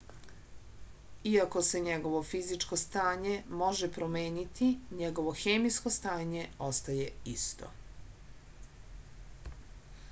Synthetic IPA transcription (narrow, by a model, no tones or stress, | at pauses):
iako̞se̞ɲeɡo̞ʋo̞fizit͡ʃko̞st̪aːɲemo̞ʒepɾomeːnit̪ʰiɲeɡo̞ʋo̞xeːmisko̞st̪aːɲe̞o̞st̪aje̞ist̪ʰo̰